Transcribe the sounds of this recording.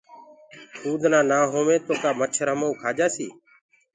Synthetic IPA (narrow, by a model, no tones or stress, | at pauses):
uːd̪ʱnãːnaːɦoːʋẽːt̪oːkaːmət͡ʃʰəɾɦəmouːkʰaːd͡ʒaːsḭː